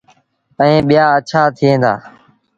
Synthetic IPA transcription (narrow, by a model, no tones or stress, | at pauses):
əẽːɓɪjaːət͡ʃʰaːt̪ʰɪẽːnd̪a̰ː